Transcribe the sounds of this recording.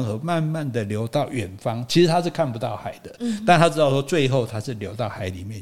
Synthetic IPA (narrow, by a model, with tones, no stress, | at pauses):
ŋsɔ˧˦ma˥˧nma˥˨˩nd̪ə˩ljo˧˥ʊt̪ɑ˥˨ʊɥɛ˨˩nfɑ˦ŋt͡ɕʰi˧˥ʂɻ̩˧˥t̪ʰa˦ʂɻ̩˥˧kʰa˥˩npu˧˦t̪ɑ˥˩ʊxa˨˩˦ɪd̪ə˦t̪a˥˧nt̪ʰa˥ʈ͡ʂɻ̩˧˥t̪ɑ˥˩ʊʂwɔ˥t͡swe˥˧ɪxo˥˨ʊt̪ʰa˥ʂɻ̩˥˩ljo˧˥ʊt̪ɑ˥˩ʊxa˨˥ɪli˨˩mjɛ˥˨n